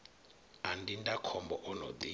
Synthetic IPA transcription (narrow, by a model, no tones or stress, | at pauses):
andindakʰɔmbɔʔɔnɔ̰d̪i